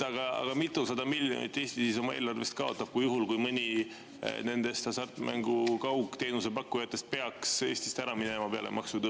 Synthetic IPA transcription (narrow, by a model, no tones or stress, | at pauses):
ɑɡ̥ɑɑ̰ɡ̥ɑmit̪ːˑusɑd̪ɑmilʲːjo̰nḭt̪ːˑe̞ːst̪isiso̞mɑe̞ːlɑrve̞st̪̚kɑo̞t̪ˑːɑb̥̚kujuɦulkujmɤnʲi | ne̞nd̪̥e̞st̪ɑsɑrt̪ːˑmʔæ̰ŋɡukɑwkːt̪e̞ːnuse̞pɑkːˑujɑt̪ːˑe̞st̪̚pe̞ɑkse̞ːst̪i̥st̪æɾɑmine̞mɑpe̞ɑ̰lḛmɑksud̪ɑ